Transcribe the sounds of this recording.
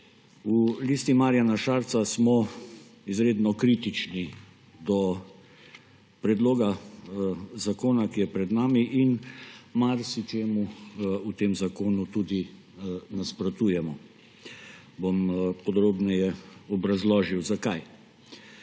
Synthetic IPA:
uliːst̪imaːɾijanaʃaɾt̪sasmɔ | izɾeːd̪nɔkɾiːt̪it͡ʃni | d̪ɔ | pɾɛd̪loːɡa | zakoːnakijɛpɾɛd̪naːmiʔinmaɾsit͡ʃeːmuut̪eːmzakoːnut̪ud̪i | naspɾɐt̪ujɛmɔ | bompɔd̪ɾoːbnɛjɛɔbɾazlɔːʒiwzakaj

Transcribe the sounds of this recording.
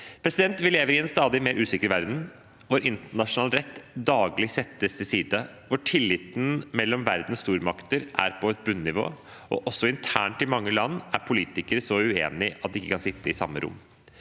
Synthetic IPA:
pʰɾɛsɪd̪ɛnt̪ʋɪleːʋəɾɪɛnst̪ɑːd̪ɪmeːɾʔʉːsɪkəɾʋæɾd̪n̩ | ʋʊɾʔɪnt̪əɳɑʂʊnɑːlɾɛt̪ːd̪ɑːɡlɪsɛt̪ːəst̪ʰɪlsiːd̪ə | ʋʊʈʰɪlːɪt̪n̩mɛlːɔmʋæɾd̪n̩st̪uːɾmɑkt̪əɾʔæ̰ɾpʰɔɛt̪̚bʉnːɪʋo̰ː | ɔ̰ʔɔsɔɪnt̪ʰæ̰ːɳʈɪmɑŋːəlɑnːæɾpʰʊliːt̪ɪkəɾsɔʉḛːnɪʔɑt̪̚d̪ɪɪkːəkʰɑnsɪt̪ːəɪsɑ̰mːə̰ɾʔʊ̰mː

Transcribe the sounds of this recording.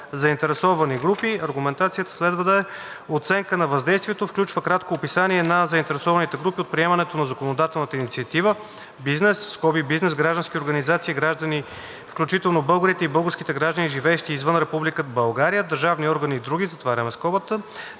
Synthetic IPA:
zɐint̪ɛɾɛsɔvəniɡɾupiɐɾɡumɛnt̪at̪sijət̪ə̥slɛd̪vəd̪ɐɛ | ot̪sɛŋkənɐvɐzd̪ɛjst̪viɛt̪ofklʲut͡ʃvəkɾat̪koːpisaniɛnɐzɐint̪ɛɾɛsɔvɐnit̪ɛɡɾupiot̪̚pɾiɛmɐnɛt̪onɐzɐkonod̪at̪ɛlˠnət̪əinit̪siɐt̪ivə | biznɛsːkɔbibiznɛsɡɾaʒd̪ənskʲioɾɡənizat̪siːɡɾaʒd̪əni | fklʲut͡ʃit̪ɛlˠnobɤlˠɡəɾit̪ɛibɤlˠɡəɾskʲit̪ɛɡɾaʒd̪əniʒivɛːʃt̪iːzvənɾɛpublikəbɐlˠɡaɾijəd̪əɾʒavniɔɾɡəniːd̪ɾuɡʲizɐt̪vaɾʲəmɛskɔbət̪ə

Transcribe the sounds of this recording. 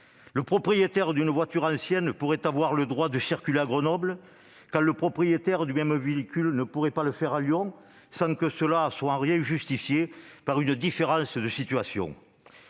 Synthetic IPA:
ləpχɔpχijet̪ɛʁd̪ynəvwat̪yʁɑ̃sjɛnpuʁɛt̪avwaʁləd̪ʁwad̪əsiʁkʲyleaɡʁənɔblə | kãʁləpχɔpχijet̪ɛʁd̪ymɛmveikʲylnəpuʁɛpaləfɛʁaljɔ̃ | sɑ̃ŋkəsəlaswaɑ̃ʁjɛ̃ʒyst̪ifjepaʁynəd̪ifeʁɑ̃sd̪əsit̪yasjɔ̰̃

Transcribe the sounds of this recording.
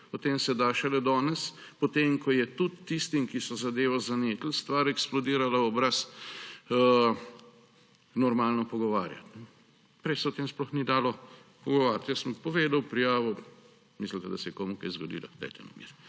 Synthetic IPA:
ɔt̪eːmsɛd̪aːʃɛlɛd̪ɔːnɛs | pɔt̪eːmkʰɔjɛt̪ut̪ːist̪imkisɔzad̪eːʋɔzaneːt̪l̩st̪ʋaɾɛksplɔd̪iːɾalaɔbɾas | nɔɾmaːlnɔpɔɡɔʋaːɾja̰t̪nɛ | pɾɛjsɛɔt̪eːmsplɔxnid̪aːlɔpɔɡɔʋaːɾʲjt̪jəsəmpɔʋeːd̪awpɾijaːʋɔ | mislit̪ad̪ɐsɛjɛkoːmukɛjzɡɔd̪ḭːla̰xt̪ɛ̰t̪ɛ̰nomḭɾ

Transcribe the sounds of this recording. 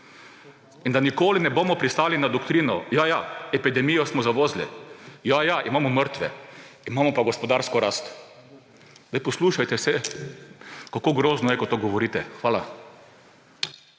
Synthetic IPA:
ind̪anikoːlinɛboːmɔpɾist̪aːlinad̪ɔkt̪ɾiːnɔjajaɛpid̪ɛmijɔsmɔzaʋoːzlḭjajaʔimaːmɔməɾt̪ʋɛ̰imaːmɔpaɡɔspɔd̪aɾskɔɾast̪ | zd̪ajpɔsluːʃajt̪ɛsɛ | kakoːɡɾoːznɔjɛkɔt̪ːoɡɔʋɔɾiːt̪ɛxʋaːla

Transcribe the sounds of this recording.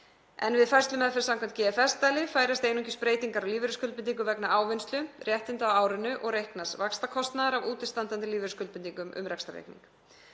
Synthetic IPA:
ɛ̰nvɪðfajrst̪lʏmɛðfɛɾsamkʰvaɛm̥nt̪̚cɛːɛfɛst̪aːjlɪfaːjɾast̪eːjnuŋcɪspɾeːjt̪iŋkaɾawliːvɪɾɪskʏlpɪnt̪̬iŋk̬ʏvɛknaʔaːwvɛnst̪lʏrjɛht̪ɪnt̪awaːwɾʏnːʏʔɔɣɾejhknasvakst̪akʰɔst̪naðaɾavuːt̪ɪ̥st̪ant̪ant̪ɪliːvɪɾʏskʏlpɪnt̪iŋkʏmʔʏ̰mɾɛkst̪aɾḛhknḭŋk

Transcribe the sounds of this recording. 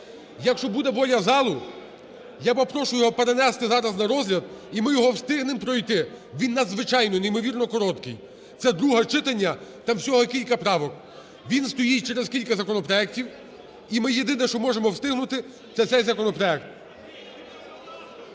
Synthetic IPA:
jɐkʃt͡ʃɔbud̪ɛbɔlʲɐzɑlˠʊ | jabɐpɾɔʃʊjɔɦɔpeɾenɛst̪ɪzɑɾɐznɐɾɔzʲɦlʲɐd̪imɪjɔɦɔwst̪ɪɦnɪmpɾɔjt̪ɪ | ʋʲinːɐd̪zʋɪt͡ʃɑjnɔnejmɔʋʲirnɔkɔɾɔt̪kɪj | t̪ɛd̪ɾuɦɐt͡ʃɪt̪ɐnʲːɐt̪ɑmsʲɔɦɔkʲilʲkɐpɾɑʋɔk | ʋʲinst̪ɔjit͡ʃɛɾezkʲilʲkɐzɐkɔnɔpɾɔɛktʲiw | imɪjed̪ɪnɛʃt͡ʃɔmɔʒemɔwst̪ɪɦnʊt̪ɪ | t̪sɛsɛjzɐkɔnɔpɾɔɛkt̪̚

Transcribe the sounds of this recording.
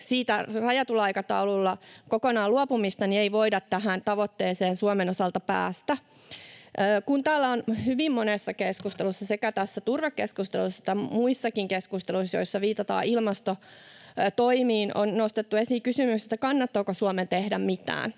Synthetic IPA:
siːt̪ærɑjɑt̪ulɑikɑt̪ɑ̰ululːɑkokonɑːluopumist̪ɑnieiʋoidɑt̪tæɦænt̪ɑʋot̪ːeːseːnsuomenosɑlt̪ɑpæ̰ːst̪æː | kunt̪æːlːæonhyʋimmonesːɑkeskust̪elusːɑsekæt̪æsːæt̪urʋɑkkeskust̪ḛlusːɑt̪ːæmuisːɑkiŋkeskust̪eluisjo̰isːɑʋiːt̪ɑt̪ɑ̰ːʔilmɑst̪o | t̪oimiːnonnost̪et̪ːuesikysymykse̥st̪ːækɑnːɑt̪ːoːkosuoment̪ehdæmmit̪æ̰ːn

